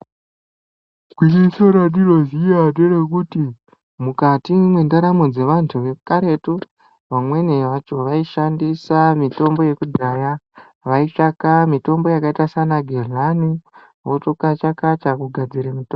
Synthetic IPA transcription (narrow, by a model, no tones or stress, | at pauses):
kwinisoɾaɗirozijaderekuti | mukatimwendaɾamod͡ze̞ʋantʰuʋe̞kaɾe̞to | ʋamwe̞neʋat͡ʃo̞ʋaiʃandisamito̞mbo̞je̞kudʱaja | ʋait͡ʂakamito̞mbo̞jakaitasanaɡʱerlani | wotokat͡ʃakat͡ʃakuɡʱad͡ziɾemito